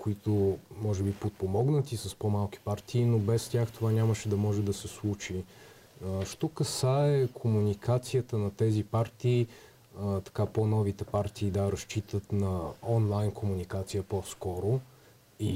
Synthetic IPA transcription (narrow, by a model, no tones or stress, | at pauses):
koit̪omɔʒɛbipot̪̚pomɔɡnət̪isɐspomalˠk̟i̥paɾt̪ʰiːnobɛstʲaxt̪ovanʲaməʃɛd̪ɐmɔʒɛd̪ɐsɛslˠut͡ʃi | əʃt̪ɔkəsaɛkʰomunikʰat̪sijət̪ənɐt̪ɛzipaɾt̪iː | ət̪ɐ̥kaponɔvit̪ɛpaɾt̪iːd̪aɾɐst͡ʃit̪ət̪nɐɔnlˠajnkʰomunikat̪sijəposkɔɾo | i